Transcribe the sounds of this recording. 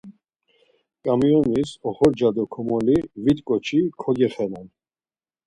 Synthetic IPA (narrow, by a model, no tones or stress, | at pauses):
kʼamiɔnisɔχɔɾd͡ʒad̪ɔkʰɔmɔlivit̪kʼɔt͡ʃʰikʰɔɡɛχɛnan